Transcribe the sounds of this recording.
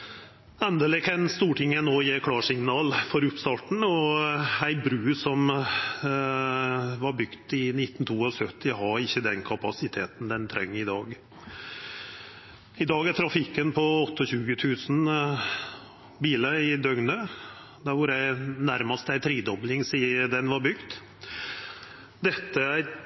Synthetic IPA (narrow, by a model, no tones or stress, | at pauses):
ɛnd̪əlɪkʰɑnst̪uːʈɪŋːənoːjeːkʰlɑːʂɪŋnɑːlfɔɾʉpst̪ɑːʈɳ̩ɔæɪbɾʉːsɔm | ʋɑɾbʏɡt̪ɪnɪt̪ːn̩t̪ʰuːɔsœt̪ːɪɦɑɾɪçːəd̪ɛnkʰɑpɑsɪt̪ʰeːt̪n̩d̪ɛnt̪ʰɾɛ̰ŋːɪd̪ɑːɡ | ɪd̪ɑːɡæʈ̪ʰɾɑfɪkːənpʰɔɔt̪ːəɔɕʉːɡət̪ʰʉːsn̩ | biːləɪd̪œɡnə | d̪æɾʋʊɾæɪnæɾmɑst̪æɪt̪ʰɾiːd̪ɔblɪŋsiːəd̪ɛnʋɑɾbʏɡt̪ | d̪ɛt̪ːəæɾ